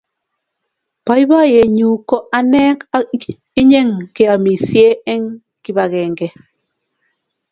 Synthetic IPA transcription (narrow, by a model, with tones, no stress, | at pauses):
pa˦i˦ba˦˨je˨ɲu˨kɔ˦ʔa˦nɛ˦ka˦ | i˦ɲe˦ŋke˨a˨mi˨sje˦ɛ˦ŋ | ki˦ba˨ɣɛ˨ŋɡɛ˨